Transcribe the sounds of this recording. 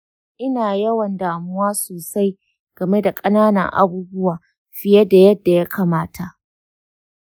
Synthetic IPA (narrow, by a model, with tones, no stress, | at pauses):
ʔɪ˦naː˨jɐ˦wɐ˨ndaː˨mʊ˦waː˦soː˨sa˦j | ɡ̥ɐ˨me˦da˨kʼɐ˦naː˦nɐ̰˨ŋʔa̰˦buː˦bʊ˦waː˨ | ɸɪ˦jɛ˦da˨jɐ˦dːa˨ja˦kʰa˨maː˦tʰa˨ʔ